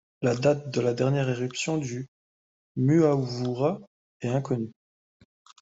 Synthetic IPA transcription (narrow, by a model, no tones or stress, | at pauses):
lad̪at̪̚d̪əlad̪ɛʁnjɛʁeʁypsjɔ̃d̪y | myavuʁa | ɛɛ̃kɔny